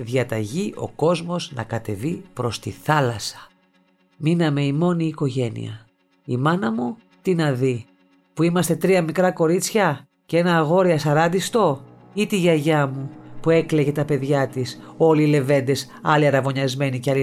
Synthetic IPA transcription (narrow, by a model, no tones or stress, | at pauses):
ðʝɐt̪ɐʝiʔo̞̰ko̞zmo̞znɐ̰kɐt̪e̞vipɾo̞st̪iθɐlɐsɐ̥ | minɐme̞imo̞niːko̞ʝe̞nḭɐ̰ | imɐnɐmu | t̪inɐði | puimɐst̪e̞t̪ɾiɐmikɾɐko̞ɾit͡sçɐ | cee̞nɐːɣo̞ɾiɐsɐɾɐnd̪ist̪o̞ | it̪iʝɐʝɐmupue̞kle̞ʝe̞t̪ɐpe̞ðʝɐt̪iso̞liːle̞ve̞nd̪e̞s | ɐliɐɾɐvo̞ɲɐzme̞niceɐli